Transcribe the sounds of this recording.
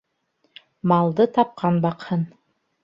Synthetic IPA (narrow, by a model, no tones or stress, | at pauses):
mɑlˠd̪ɤt̪ʰɑp̚qʰɑnbɑqhɤn